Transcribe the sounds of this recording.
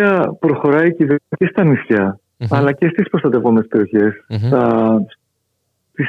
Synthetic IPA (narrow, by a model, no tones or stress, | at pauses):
ɐpɾo̞xo̞ɾɐjiciðecest̪ɐmisçɐ | ɐlɐce̞st̪ispɾost̪ɐt̪e̞vo̞mespe̞ɾio̞çe̞st̪ɐ | t̪is